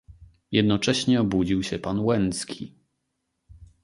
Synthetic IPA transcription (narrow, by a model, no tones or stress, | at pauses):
jɛd̪nɔt͡ʂɛɕɲɛɔbud͡ʑiwɕɛpanwɛnskʲʰi